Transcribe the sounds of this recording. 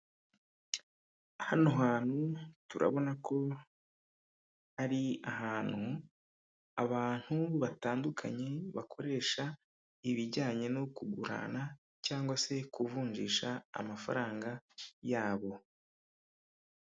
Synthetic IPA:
ahanoɦaːn̥hutuɾa̰βo̞nakʰo̞ | aɾiaɦaːn̥hu | aβaːn̥huβataːndukʰa̰ɲe̞βakʰo̞ɾe̞ːʃa | iβiɟaːɲe̞nokuɡuɾa̰na | caːŋɡwase̞kuvuːɲʒḭːʃa̰ːmafa̰ɾaːŋɡajaːβo̞

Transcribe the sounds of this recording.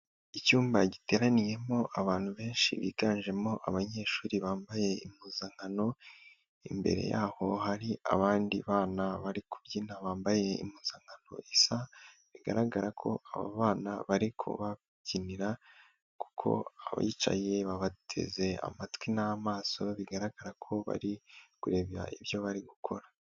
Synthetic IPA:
icuːmbaɟite̞ɾanije̞mo̞ʔaβaːn̥huβe̞ːnʃḭβḭːɡaːnʒe̞mo̞ʔaβaɲe̞ːʃuːɾiβaːmbaje̞imuːzaŋɡano̞ | imbe̞̰ɾe̞̰jaːho̞haɾia̰βaːndiβaːnaβaɾikuβɟinaβaːmbaje̞ḭmuːz̥aŋɡano̞̰ʔisa | βiɡa̰ɾaɡaɾakʰo̞̰aβa̰βaːnaβaɾikʰṵβa | ɟiniɾa | ku̥kʰo̞̰aβa̰it͡ʃa̰je̞βaβatʰe̞̰ze̞a̰matwinamaːso̞βiɡaɾaɡaɾakʰo̞βa̰ɾikuɾe̞βa̰ʔiβjo̞βaɾiɡukʰo̞ɾa

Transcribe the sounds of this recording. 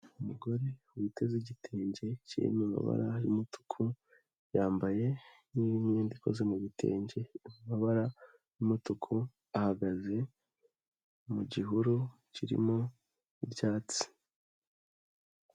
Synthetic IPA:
umuɡo̞ɾe̞wite̞ziɟitʰeːɲɟe̞cḭmima̰βa̰ɾa̰jumutʰu̥kʰu | jaːmbaje̞ | niːβimɲeːndiko̰zemuɟitʰe̞̰ːɲɟe̞mumaβaɾa | jumutukʰu | ahaɡaze̞ | muɟiɦuɾu | ciɾḭmo | ibɟaːt͡si̥

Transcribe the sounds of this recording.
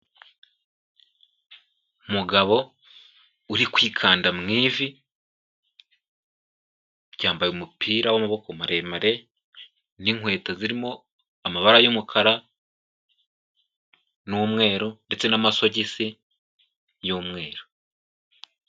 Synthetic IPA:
muɡaβo̞ | uɾikwiːkʰaːndamŋiːvi | ɟaːmbajeumupʰiːɾawamaβo̞komaɾe̞ːmaɾe̞ | niŋwe̞ːtaziɾimo̞ | amaβaɾajumukʰaɾa | nuːmŋe̞ːɾo̞nde̞t͡se̞namaso̞ɟisi | joːmŋe̞ːɾo

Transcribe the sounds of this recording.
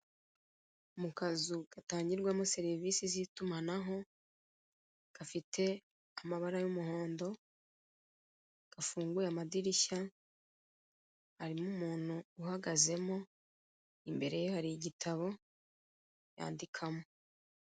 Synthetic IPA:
umukazuɡ̥ataːɲɟiɾɡwamose̞ɾiviːsizitumanaɦo̞ | ɡ̥afitʰe̞ | amaβaɾajumuho̞ːndo̞ | ɡ̥afuːŋɡujamadiɾiça | haɾimumuːn̥huːhaɡaze̞mo̞ | imbe̞ɾe̞johaɾiiɟitʰaβo̞ | ja̰ːndikʰamo̞

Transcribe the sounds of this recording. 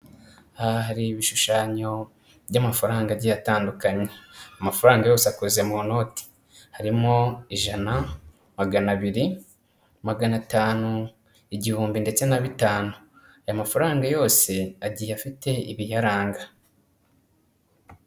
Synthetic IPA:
ahaɾiβiʃuʃaːɲo̞ | bɟamafaɾaːŋɡaɟijataːndukaɲeamafaɾaːŋɡajo̞ːseakoze̞muno̞ti̥ | haɾimo̞iʒana | maɡanaβiɾi | maɡanataːnu | iɟihuːmbinde̞t͡se̞naβitaːnu | ajamafaɾaːŋɡajo̞ːse̞aɟijafite̞ḭβijaɾaːŋɡa

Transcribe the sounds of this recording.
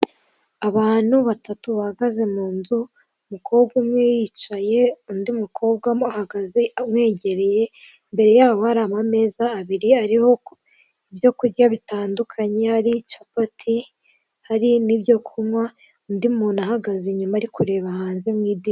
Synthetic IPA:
aβaːn̥huβatatuβahaɡaze̞muːnzu | mukʰo̞ːbɡumŋejit͡ʃaje̞undimukʰo̞ːb̚ɡwaahaɡazemŋe̞ːɟe̞ɾe̞je̞ | mbe̞ɾe̞jaːβo̞haɾaːmame̞zaːβiɾiaɾiho̞ | ibjo̞kuɾɟaβitaːndukʰaɲe̞haɾit͡ʃapatʰi | haɾinibjo̞kʰumŋwa | undimuːnahaɡazeɲumaːɾikuɾe̞ːβahaːnze̞mŋiːdi

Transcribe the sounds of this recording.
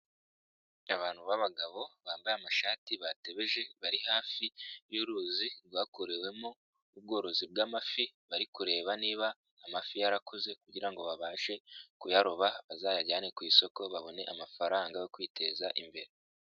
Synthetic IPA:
aβaːn̥huβaβaɡaβo̞βaːmbajamaʃaːtiβate̞βe̞ʒe̞βaɾihaːfijuɾuːzibɡwaːkoɾewe̞mo | ub̚ɡo̞ːɾo̞zib̚ɡamafiβaɾikuɾe̞ːβaniːβaː | mafijaɾakʰoze̞kuɟiɾaŋɡo̞βaβaːʃe̞kujaɾoβaβazaːjaɟaːnekwiːso̞ko̞βaβo̞ne̞̰ʔamafaɾaːŋɡajo̞kwiːte̞ːzaʔḭmbe̞̰ɾe

